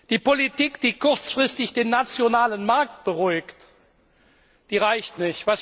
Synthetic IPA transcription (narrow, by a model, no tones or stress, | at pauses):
d̥iːpolitiːkd̥iːkʰʊʁt͡sfʁ̥ɪstɪçd̥eːnːat͡sjonaːlənmaɐk̚t̚b̥əʁʊɪkt | d̥iːʁaɪçtnɪçtv̥as